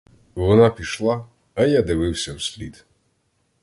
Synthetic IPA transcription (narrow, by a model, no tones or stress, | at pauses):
ʋɔnapʲiʃlˠaː | jad̪ɪʋɪwsʲɐwsʲlʲid̪